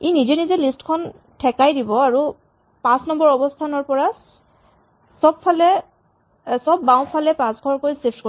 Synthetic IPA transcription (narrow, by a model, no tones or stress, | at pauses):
enizɛnizɛlistkʰɔn | tʰɛkajdibɔaɹu | pãsnɔmbɔɹɔbɔstʰanɔɹpɔɹa | sɔbpʰːalɛ | sɔbːãw̃pʰalɛpãsɡʰʱɔɹkojsepʰtko